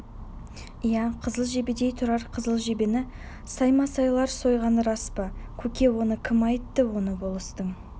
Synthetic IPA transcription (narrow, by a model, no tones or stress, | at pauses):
ijæqʰəzəlˠʒe̞bed̪e̞jt̪ʰʊɾɑɾqʰəzəlˠʒe̞benɪ | sɑjmɑsɑjlˠɑɾso̞jʁɑnɾɑspɑkʲʰɵkʲe̞wo̞nəkʲʰɪmɑjt̪ːəwo̞nəbo̞lˠəst̪əɴ